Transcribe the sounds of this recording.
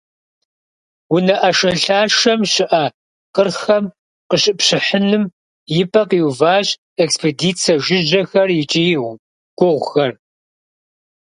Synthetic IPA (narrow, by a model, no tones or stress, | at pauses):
wʊnɐʔɐʂɐɬaːʂɐmɕɪʔɐ | qərxɐm | qəɕʼɪpɕɪħɨnɨm | jɪpʰʼɐqiwʊvaːɕʼ | ekspʰediːt͡sʰɐʒɪʒɐxɐrjɪt͡ʃʼiː | ɡ̥ʷʊʁʷxɐr